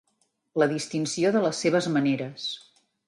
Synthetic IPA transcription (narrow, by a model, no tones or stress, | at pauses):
ləðist̪insioðələsːeβ̞əzməneɾəs